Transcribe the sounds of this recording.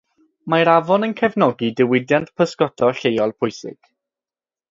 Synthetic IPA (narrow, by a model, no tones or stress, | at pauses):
maɾavɔnənkʰɛvnɔɡidɪwɪdjantpʰəskɔtʰɔɬejɔlˠpʰʊjsɪ̰ɡ̥